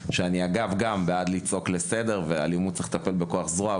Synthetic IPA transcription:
ʃeaniaɡavɡambead̪lit͡so̞kle̞se̞de̞ʁve̞a̰limud̪̚t͡se̥χt̪ape̞lbe̞ko̞aχzʁoa

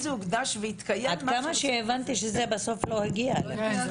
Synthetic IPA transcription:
zeuɡd̪aʃveit̪kajead̪kamaʃeevant̪iʃezebaso̞flo̞hiɡiaele

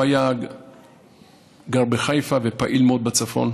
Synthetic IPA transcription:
aja | ɡaʁbeχajfavepaʔilmeod̪̚bat͡safo̞̰n

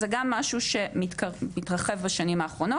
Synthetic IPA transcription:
zeɡamːaʃuʃe̞mitkamitʁɐχevbaʃanimaːχʁo̞no

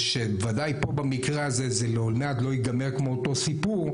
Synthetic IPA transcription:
ʃebevadajpo̞bamikʁeazezeleolmeadlo̞jiɡameʁkmo̞ːto̞sipuʁ

